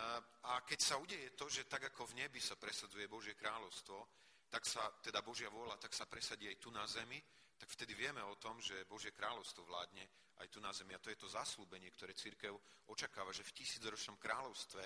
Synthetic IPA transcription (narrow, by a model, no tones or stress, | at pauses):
akɛcsauɟɛjɛt̪ɔʒɛt̪aɡakɔvɲɛbisapɾɛsad͡zujɛbɔʒɪjɛkɾaːlɔʊst̪ʋɔ | t̪aksat̪ɛd̪abɔʒɪaʋʊɔlat̪aksapɾɛsaɟiːajt̪unazɛmi | t̪akft̪ɛd̪iʋɪɛmɛɔt̪ɔmʒɛbɔʒɪjɛkɾaːlɔʊst̪ʋɔʋla̰ːd̪ɲɛ | ʔa̰jt̪unazɛmiat̪ɔjɛt̪ɔzasluːbɛɲɪɛkt̪ɔɾɛːt͡siɾkɛʊɔt͡ʃakaːʋaʒɛfcisiːd͡zɾɔt͡ʃnɔmkɾaːlɔʊst̪ʋɛ